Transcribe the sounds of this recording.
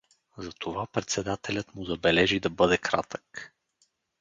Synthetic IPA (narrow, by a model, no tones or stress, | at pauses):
zɐt̪ʰovapɾɛt̪sɛd̪at̪ɛlʲət̪mʊzɐbɛlɛʒid̪ɐbɤd̪ɛkɾat̪ək